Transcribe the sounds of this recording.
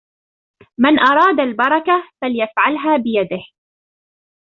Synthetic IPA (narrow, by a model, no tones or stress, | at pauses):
mɪnʔɑɾˤɑːd̪albɑɾˤɑkafaljafʕalɦaːbɪjad̪ɪh